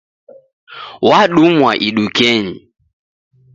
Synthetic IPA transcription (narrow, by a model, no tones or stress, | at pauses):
waɗumwa̰ʔiɗukɛɲi